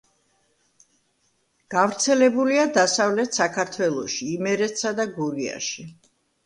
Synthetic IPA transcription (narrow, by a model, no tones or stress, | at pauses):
ɡ̥avɾt̪sʰɛlɛbuliad̪asavlɛt̪ʰsakʰaɾt̪ʰwɛlˠɔʃiːmɛɾɛt̪ʰsad̪aɡuɾia̰ʃi